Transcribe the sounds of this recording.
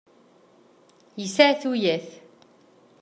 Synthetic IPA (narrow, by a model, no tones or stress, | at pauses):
jisaʕθujæθ